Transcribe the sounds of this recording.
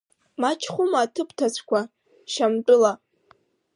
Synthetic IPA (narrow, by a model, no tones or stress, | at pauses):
mat͡ʃʰχʷʊmaːtʰɨpʰtʰat͡ɕʷʰkʷʰa | ʃamt͡pʼʊla